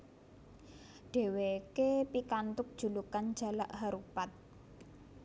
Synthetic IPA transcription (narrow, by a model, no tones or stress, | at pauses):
ɖ̥e̤wekepikant̪ʊk̚d̥ʒ̥ṳlukan̥d͡ʒ̥a̤laʔɦaɾupat̪̚